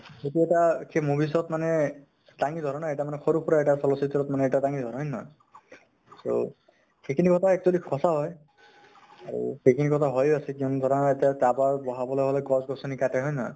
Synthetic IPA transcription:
etiɛtakʰemobis̬ɔt̪manɛ | taŋid̪ʱɔɾɔnaetamanɛxɔɾupɔɾaɛʈasɔlɔsit̪ɔɾɔt̪manɛːʈataŋid̪ʱɔɾɔjnɔ̰j | so̰ | xekinikɔt̪ʰaɛk̚t͡ʃɔlikʰɔsaɦɔj | aɹṵxekinikɔt̪ʰaɦɔjasɛkiɔnd̪ʱɔɾɔnaetiatababɔɦabɔlɔɦɔlɔɡɔzɡɔsɔnikatɛɦɔjnɔj

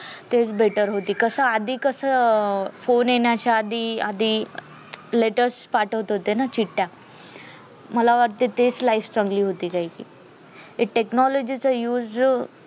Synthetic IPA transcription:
t̪et͡sbeʈəɾɦot̪iːkəsaad̪ʱiːkəsə | fonjeɳjat͡ɕaːd̪ʱiːad̪iː | leʈəɾspaʈʰəʋt̪ɦot̪enat͡ɕiʈːja | məlaʋəɾt̪et̪et͡slaift͡səŋɡliːɦot̪iːkaɦikḭː | eʈeknɔlod͡ʑit͡səjuːd͡z

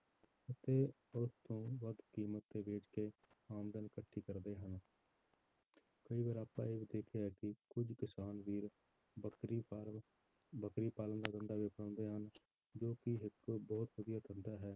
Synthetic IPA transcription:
ət̪e | ʊst̪õːʋəd̪kiːmət̪ːebeːd͡ʒkeaːmd̪ənkəʈʰːikəɾd̪eːɦən | kəibaːɾaːpːa̰ːeːbid̪eːkʰeɛːkikʊd͡ʒkɪsaːnbiːɾ | i | bəkɾipaːlənd̪aːd̪ə̃nd̪aːbɪpɽãːnd̪eɦən | d͡ʒoːkiɦɪt̪ːobɔːt̪ʋəd̪ɪjaːt̪ʰə̃nd̪aɦɛː

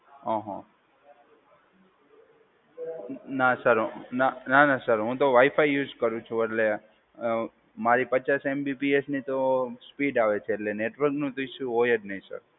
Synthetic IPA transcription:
ɔɦã̰ | nasəɾɦnananasəɾɦũt̪oʋaifajːud͡ʒkəɾũt͡ʃʰũeʈle | maɾipət͡ʃasembipiesnit̪ospiɖaʋet͡ʃʰeːʈleneʈʋəɾknũt̪iiʃuojəɖnəĩsə̰ɾ

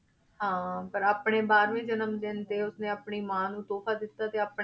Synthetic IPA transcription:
ɦãːpəɾaːpɳẽːbaːɾʋẽːd͡ʒənəmd̪ɪnt̪eːʊsnẽːaːpɳiːmãːnũːt̪oːpʰaːd̪ɪt̪ːaːt̪eːaːp

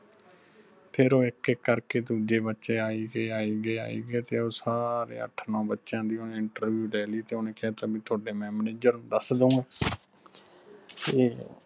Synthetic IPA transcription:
pʰɪɾoːɪkɪkːəɾkeːd̪uːd͡ʒeːbətːʃeːaːiːɡeːaːiːɡeːa̰ːḭːɡeːt̪eːoːsaːɾḛːə̰ʈʰnɔ̃ːbətːʃãːnd̪iːoːneːɪɳʈəɾʋjuːlɛːliːt̪eːoːnẽːkɪaːt̪aːbiːt̪ʰʊaːɖeːmɛ̃ːmneːd͡ʒəɾd̪əsd̪ũː | t̪eː

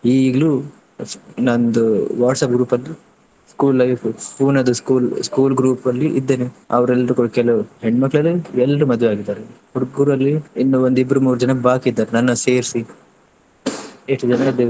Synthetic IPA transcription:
iːɡɐɭu | nɐnd̪uʋaːʈsɐp̚ɡɾuːpɐlːi | skuːlːɐjʋfpʰuːnɐd̪uskuːlskuːlɡɾuːpɐlːiʔḭd̪ːeːneɐ̰ʋɾɛlːɐɾukoɽkɛlɐuheɳɖmɐkːɐɭɐlːiɛlːɐɾumɐd̪ʱʋeaːɡid̪ːaːɾe | uɾɡuɾɐlːiinːuond̪ibɐɾumuːɾud͡ʒɐnɐbaːkid̪ːaːɾenɐnːɐse̞ːɾsi | eʂʈːud͡ʒɐnɐid̪u

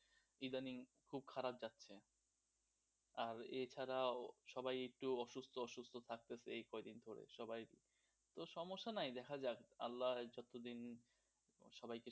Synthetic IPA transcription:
id̪aniŋkʰub̚kʰaɾab̚d͡ʑatːɕʰe | aɾet͡ɕʰaɾaʃɔbajek̚ʈuɔʃust̪ʰoɔʃust̪ʰot̪ʰak̚t̪esʰeejkɔed̪ind̪ʱoɾḛʃɔbajɾḭ | t̪oʃɔmoʃːanajd̪ɛkʰad͡ʑaka̰lːad͡ʑɔt̪od̪in | ʃɔbajke

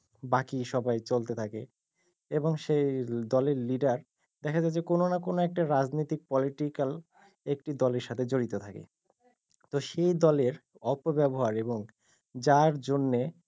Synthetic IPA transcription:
bakiʃɔbajt͡ɕolt̪et̪ʰake | eboŋʃejd̪ɔleɾliɖaɾ | d̪̥ɛkʰad͡ʑaed͡ʑekononakonoɛk̚ʈaɾad͡ʑnojt̪ik̚pɔliʈikal | ekʈid̪ɔleɾʃat̪ʰed͡ʑoɾit̪ot̪ʰakḛ | t̪oʃejd̪ɔleɾ | ɔpobɛboɦaɾeboŋ | d͡ʑaɾd͡ʑonːe

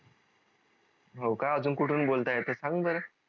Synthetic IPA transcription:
ɦowkaəd͡zunkuʈʰuːnbolt̪ajet̪əsãŋɡbəɾə

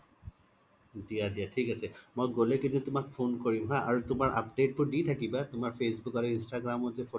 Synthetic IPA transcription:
d̪ijad̪iaʈʰikat͡ɕʰemojɡolekint̪ut̪omakfonkoɾimɦãʔaɾot̪omaɾʔa̰pɖeʈ̚poɾɖit̪ʰakibat̪omaɾfesbukaɾinsʈaɡɾamod͡ʑefo

